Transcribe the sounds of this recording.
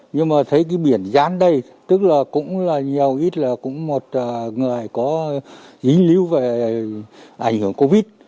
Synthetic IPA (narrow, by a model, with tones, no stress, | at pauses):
ɲɨ˧ŋmaː˨˩t̪ʰə˨˦jk̬iː˨˦ɓi˧˩ənzaː˨˦nɗə˧j | t̪ɨ˦˥k̚laː˨˩kʊ̰˧˥ŋ͡mlaː˨˩ɲi˨˩əwʔi˦˥t̚laː˨˩kʊ̰˧˥ŋ͡mmo˨˩t̚ʔːŋɨ˨˩əjkɔ˨˦zi˨˦ŋ̟li˨˦wve˨˩ | ʔa˧˩jŋ̟hɨ˧˩əŋko˧vi˦˥t̚